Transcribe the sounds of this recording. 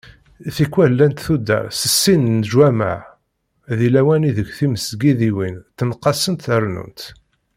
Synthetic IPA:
θikːwælːænt̪θud̪ə̰ɾˤsəsːinnʒwæma̰ʕ | ðilæwæniðəɡθiməsɡiðiwint̪ːənqːɑsənt̪θəɾˤnṵnt̪

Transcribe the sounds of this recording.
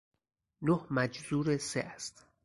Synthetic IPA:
nohmæd͡ʒzuːɾeseʔæst̪

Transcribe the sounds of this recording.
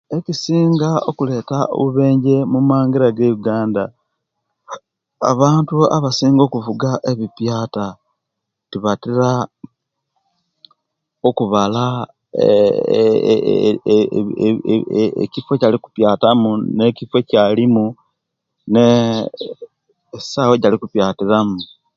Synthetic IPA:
e̞cisiːŋɡaokule̞ːtao̰βuβe̞ːɲɟe̞mumaːŋɡiɾaɡe̞βuɡaːnda | a̰βaːntua̰βasiːŋɡo̞ːkuvuɡaʔe̞βipjaːta | tiβatiɾa | okuβala | ḛcifwe̞caliku̥pjaːtamune̞cifwe̞calimu | ne | saweɟalikupjaːtiɾamu

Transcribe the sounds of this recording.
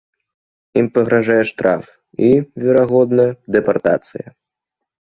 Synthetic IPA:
impɐɣɾaʐajɛʂt̪ɾʔa̰f | ivʲɛɾaɣɔd̪nɐjɐd̪ɛpart̪a̰t̪sɨ̰jɐ̰

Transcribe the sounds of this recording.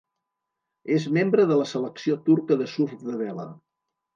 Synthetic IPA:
ezmembɾəðələsələksiot̪uɾkəðəsufðəβɛlə̰

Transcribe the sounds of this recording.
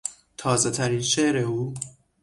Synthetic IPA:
t̪ʰɒːze̞t̪ʰæɾiːnʃe̞ʔɾe̞uː

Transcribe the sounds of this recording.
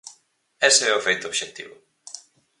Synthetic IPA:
ɛseɛofejt̪obʃek̚t̪ḭβʊ̰

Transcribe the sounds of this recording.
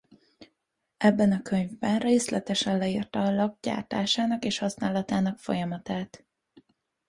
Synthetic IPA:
ɛbːɛnɒkø̞ɲvbɛnreːslɛt̪ɛʃɛnlɛiːrt̪ɒlɒɡ̚ɟa̰ːrt̪a̰ːʃaːnɒkeːʃhɒsnaːlɒt̪aːnɒkfo̞̰jɒmɒt̪aːt̪

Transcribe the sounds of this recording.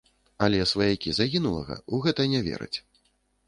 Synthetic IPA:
alʲɛsvajakʲizaɣʲinulˠɐ̰ɣɐ̰uɣɛt̪ɐnʲɛvʲɛ̰ɾɨ̰t͡sʲ

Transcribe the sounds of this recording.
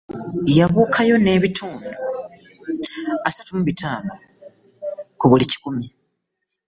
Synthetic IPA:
jaβuːkʰajo̞ne̞ːβitʰuːndo | asatumuβitʰaːno | kuβulici̥kumi

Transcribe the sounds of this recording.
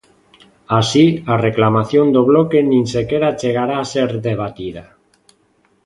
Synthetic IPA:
asiareklamaθjond̪oβlokenĩnsekeɾat͡ʃeɣ̞aɾaːseɾðeβ̞at̪ið̞a

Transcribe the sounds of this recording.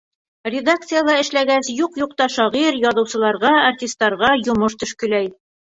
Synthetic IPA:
rʲɪd̪ak̚t̪sɨjalˠɑɘ̆ʃlæɡæsjuqjuq̚t̪ɑʃɒʁiɾjɒðɤ̆wsɤ̆lˠɑɾʁɑartʲist̪ːɑɾʁɑjŏmɤʃt̪ɵ̆ʃkɵ̆læj

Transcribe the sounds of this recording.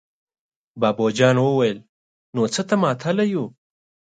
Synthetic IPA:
bɑbod͡ʒɑnwəwajəl | not͡sət̪amɑt̪ʰalaju

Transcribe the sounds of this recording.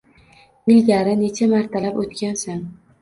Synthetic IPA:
ɪlɡʲaɾɪne̞t͡ʃʰamaɾt̪ʰalapot̪kʲansan

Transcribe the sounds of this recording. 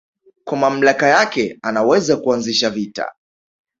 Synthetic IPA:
kwamam̩lakajakɛanawɛzakuanziʃavita̰

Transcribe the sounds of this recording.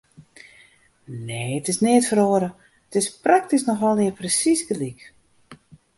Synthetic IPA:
neːətɪsnɪːtfəɾoəɾə | ətɪsprak̚tisnɔxʋɛlˠʋɪəprəsisɡəlik

